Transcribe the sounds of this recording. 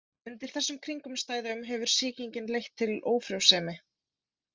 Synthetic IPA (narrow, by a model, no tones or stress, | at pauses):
ʏnt̪ɪɾ̥θɛsːʏmkʰɾiŋkʏmst̪aːjðaʏmɦɛvʏɾ̥sɪːciɲcɪnlejxt̪ʰːɪloːwfɾjowsɛːmɪ